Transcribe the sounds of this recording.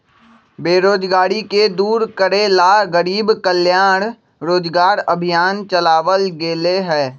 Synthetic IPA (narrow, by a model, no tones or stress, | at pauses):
beːɾoːd͡ʒɡaːɽiked̪uːɾkəɾelaɣəɾiːbkəljaːɽ̃ | ɾoːd͡ʒɡaːɾəbʱɪjaːnt͡ʃəlaːʋəlɡeːleɦɛː